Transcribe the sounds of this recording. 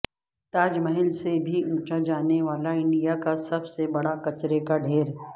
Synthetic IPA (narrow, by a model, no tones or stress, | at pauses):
t̪aːd͡ʒmɐɦɪlsebʱiũːt͡ʃad͡ʒaːneʋaːlaɪ̃ɳɖijakasɐbsebɐɽakɐt͡ʃɾekaɖʱeːɾ